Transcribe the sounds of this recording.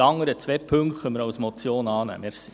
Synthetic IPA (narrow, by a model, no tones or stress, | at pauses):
ɑŋːəɾət͡sʋɛpʰʉŋkχœməɾɑʊsmɔt͡sjoːnɑːnæ̰məɾsi